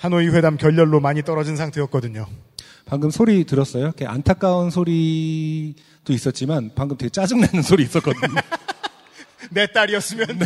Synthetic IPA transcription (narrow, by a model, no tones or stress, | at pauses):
hanoiɸwe̞damkjʌʎːʌɭːomaɲit͈ʌɾʌd͡ʑinsʰaŋtʰɯʌt̚k͈ʌdɯɲo | paŋɡɯmsʰoɾitɯɾʌs͈ʌjoikʰeʔa̰ntʰak͈aunsʰoɾi | d̥ois͈ʌt̚t͡ɕ͈imanpaŋɡɯmteɡet͡ɕ͈ad͡ʑɯŋnanɯnsʰoɾiːs͈ʌt̚k͈ʌdɯɲo | ne̞t͈aɾiʌs͈ɯmjʌn